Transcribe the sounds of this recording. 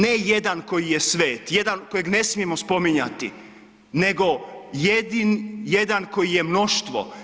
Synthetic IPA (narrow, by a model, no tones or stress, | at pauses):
neje̞d̪anko̞jijesʋe̞ːt̪je̞d̪anko̞jeɡne̞smije̞mospo̞miɲa̰t̪ḭ | ne̞ɡo̞jed̪injed̪anko̞jije̞mno̞ʃt̪ʋo̰